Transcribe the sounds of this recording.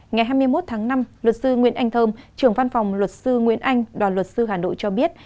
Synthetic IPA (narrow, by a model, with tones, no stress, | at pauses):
ŋa˨˩jɦaː˧jmɨ˧əjmo˦˥t̚t̪ʰaː˨˦ŋna˧mlwə˨˩t̚sɨ˧ŋwḭ˧˥ənʔa˧jŋ̟t̪ʰəː˧mt͡ɕɨ˨˩əŋva˧nfa˨˩wŋ͡mlwə˨˩t̚sɨ˧ŋwḭ˧˥ənʔa˧jŋ̟ɗwaː˨˩nlwə˨˩t̚sɨ˧ɦaː˨˩nɗo̰˧˨jt͡ɕɔ˧ɓi˦˥ət̚